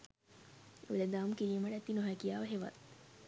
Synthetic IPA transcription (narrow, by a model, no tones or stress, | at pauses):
ṵled̪aːmkiliːməɖæt̪inoɦækijaːʋəɦeʋɐ̰t̪